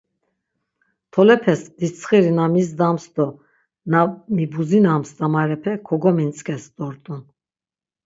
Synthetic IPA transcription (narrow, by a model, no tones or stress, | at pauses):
t̪ʰɔlɛpʰɛsd̪it͡sʰχiɾinamisd̪amsd̪ɔ | namibuzinamsd̪amaɾɛpʰɛkʰɔɡɔmint͡sʼkʰʼɛsd̪ʼɔɾt̪ʼun